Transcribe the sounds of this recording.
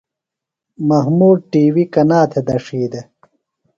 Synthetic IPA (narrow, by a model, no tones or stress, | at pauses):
mɐɦmuːɖ̚ʈiːwikɐnaːt̪ʰed̪ɐʂiːd̪ɐ